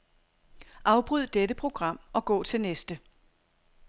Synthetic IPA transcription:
ʔɑ̈ʊb̥ʁyð̞̰ˠd̥edəpʰʁo̝ɡ̥ʁɑ̈m̰ʔɒ̽ɡ̥ɔ̰̽ːt͡sʰe̝lnesd̥ə

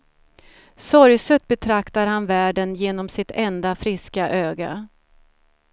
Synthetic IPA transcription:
sɔɾjsɵt̪̚bɛt̪ʰɾakt̪aɾhanvæːɖənjeːnɔmsɪt̪ɛnd̪afɾɪskaʔøːɡa̰

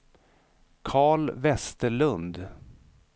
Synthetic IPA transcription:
kʰɑːɭvɛst̪əɭɵnd̪

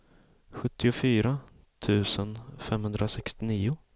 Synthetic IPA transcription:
ɧɵt̪ːɪʊfyːɾa | t̪ʰʉ̟ːsənfɛmhɵnd̪ɾasɛkst̪ɪniːʊ

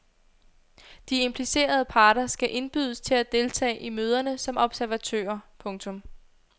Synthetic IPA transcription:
d̥ie̝mpʰlise̝̰ːɐð̞ˠəpʰɑ̈ːɾ̥ɐsɡ̥æʔe̝nb̥yð̞ˠəst͡sʰe̝læd̥e̝lt͡sʰɛ̰ːʔimøːð̞ˠɐnəsɒ̽mɒ̽b̥sæɐʋæt͡sʰø̰ːɐpʰɔ̽ŋt͡sʰɔ̽m

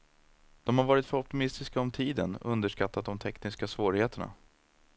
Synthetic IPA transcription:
d̪̥ɔmhaɾvɑːɾɪt̪fœɾɔp̚t̪ɪmɪst̪ɪskaɔmt̪ʰiːd̪ənɵnd̪əʂkat̪ːat̪̚d̪ɔmt̪ʰɛknɪskasvoːɾɪheːt̪əɳa̰

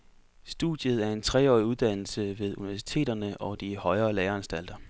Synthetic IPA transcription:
sd̥ṵd̥jəð̞̩ˠæɐe̝nt͡sʰʁɛ̰ɒ̰ːiuðˠd̥æn̰l̩səʋe̝ðˠuniʋæɐsi̥t͡sʰe̝̰ːd̥ɐnəʔɒ̽d̥ihɒ̽ɪɐːleːɐænsd̥æl̰d̥ɐ

